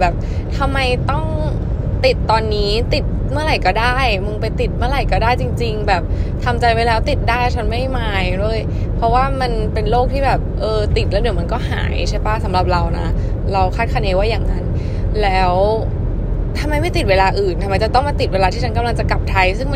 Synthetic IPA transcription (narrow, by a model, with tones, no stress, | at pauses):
bɛː˨˩p̚t̪ʰa˧mːa˧jt̪ɔ˥˩ŋ | t̪i˨˩t̪ːɔː˧nːiː˦˥t̪i˨˩t̪̚mɯ˥˩əɾa˨˩jkɔː˥˩daː˥˩jmɯ˧npa˧jt̪i˨˩t̪̚mɯ˥˩əɾa˨˩jkɔː˥˩daː˥˩jt͡ɕi˧ŋt͡ɕi˧ŋbɛː˨˩p̚t̪ʰa˧mt͡ɕa˧jwa˦˥jlɛː˦˥wt̪i˨˩t̪̚daː˥˩jt͡ɕʰa˦˥nma˥˩jmaː˧jɾu˥˩əj | pʰɾɔ˦˥waː˥˩ma˧npe˧nloː˥˩k̚t̪ʰiː˥˩bɛː˨˩p̚ʔɤː˧t̪i˨˩t̪̚lːɛ˦˥wdi˨˩˦ma˧nkɔː˥˩ɦa̰ː˩˦jt͡ɕʰa˥˩jpa˥˩sa˩˦mɾa˨˩p̚ɾa˧wna̰˦˥ | ɾa˧wkʰaː˥˩t̪̚kʰa˧neː˧˥waː˥˩jaː˨˩ŋːa˦˥n | lɛː˦˥w | t̪ʰa˧mːa˧jma˥˩jt̪i˨˩t̚weː˧laː˧ʔɯː˨˩nt̪ʰa˧ma˧jt͡ɕa˨˩t̪ɔ˥˩ŋmaː˧t̪i˨˩t̪̚weː˧laː˧t̪ʰiː˥˩a˦nka˧mla˧ŋt͡ɕa˨˩ka˨˩p̚t̪ʰa˧˦˥jsɯ˥˩ŋm˥